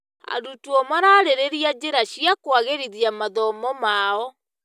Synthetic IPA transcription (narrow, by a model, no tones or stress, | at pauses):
a̰dutuɔmaɾaɾeɾeɾiad͡ʑeɾaɕiakwaɣeɾiðiamaðɔmɔmaɔ